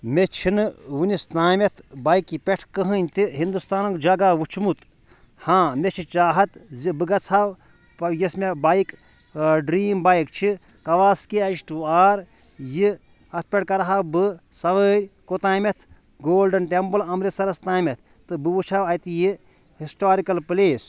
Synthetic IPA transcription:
mʲet͡ʃʰinɨʋunist̪aːmet̪ʰbajkipʲeʈʰkəɦɨnʲt̪iɦind̪ust̪aːnɐŋkd͡ʒɐɡaːʋut͡ʃʰmut̪ | hãːmʲet͡ʃʰit͡ʃaːɦɐt̪zibɨɡɐt͡sʰaw | jismebajik | ɖɾiːmbajik̚t͡ʃʰi | kɐʋaːskeɐiʃʈuaːɾ | ji | ɐt̪̚ʰpʲeʈʰkɐɾaɦawbɨsɐʋəːɾʲkot̪aːmet̪ʰ | ɡoːlɖɐnʈempɨlɐmɾisɐɾɐst̪aːmʲet̪ʰ | t̪ɨbɨʋut͡ʃʰawɐjt̪ji | hisʈaːɾikɐlpleːs

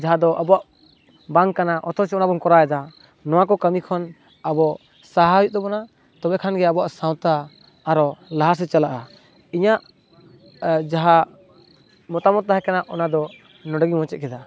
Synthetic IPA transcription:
d͡ʒaɦad̪ɔʔabɔaʔ | baŋkanaʔɔt̪ʰɔɾsɛɔnabɔŋkɔɾaɛd̪a | nɔwakɔkəmikʰɔn | abɔ | saɦajuʔ̚d̪ɔbɔna | t̪ɔbɛkʰanɡɛabɔwaʔsawt̪aː | ɾɔlaɦas̬ɛt͡ʃalaʔa | iɲaʔ | d͡ʒaɦa | mɔt̪amɔt̪̚ːaɦɛkanaʔɔnad̪ɔ | nɔɖəɡimɔ̃t͡ʃɛt̪̚kʰɛd̪a

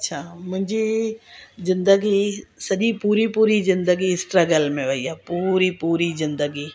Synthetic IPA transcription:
ɐtːʃʰaːmʊ̃ɦɪ̃ɲd͡ʒi | zɪ̃nd̪əɡisɐʄipuːɾipuːɾizɪ̃nd̪əɡisʈɾəɡəlmẽʋɐiaːpuɾipuːɾizɪ̃nd̪əɡi

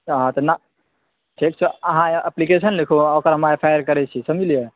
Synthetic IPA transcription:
ɦãt̪ona | ʈʰek̚t͡ʃʰeəɦãʔəplikesənlekʰuokəɾɦəmapʰajəɾkəɾɛt͡ʃʰisəmilije

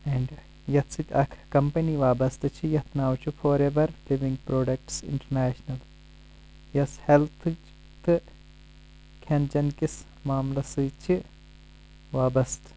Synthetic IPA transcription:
eɳɖ | jɐt̪ʰsɨt̪ʲɐkʰkɐmpɐniʋaːbɐst̪ɨt͡ʃʰijɐt̪ʰnaːwt͡ʃʰufoːɾeʋɐɾliʋiŋɡ̚pɾoːɖɐk̚ʈsɪ̰ɳʈɐɾnaːʃnɐl | jɐshelt̪ʰɨ | t̪ɨ | kʰɐnd͡ʒɐnkis | maːmlɐsɨːt͡ʃʰi | ʋaːbɐst̪

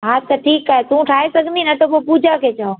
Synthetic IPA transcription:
ɦaːt̪ɐʈʰiːkaːɦet̪uũʈʰaːɦesɐɡʱnd̪ʱinɐt̪opopuːd͡ʒʱakʰeːt͡ɕaːõ

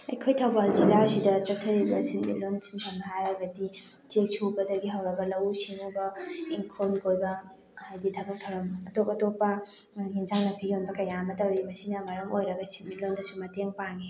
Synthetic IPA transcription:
ɐ̰jkʰojtʰawbald͡ʒilasidɐt͡ʃɐtʰːɐɾibɐsinmḭlonsi̥npʰɐmnɐɦajɾɐɡɐdi | t͡ʃek̚sʰubɐdɐɡiɦawɾɐɡɐlɐwsiŋubɐiŋkʰonkʰojbɐ | hajditʰabɐk̚tʰɐwɾɐmːtopɐtopːɐ | ɦinzaŋnɐpʰionbɐkɐjamɐt̬ɐwɾimɐsinɐmɐɾɐmojɾɐɡɐsinmilondɐsumɐteŋpaŋi

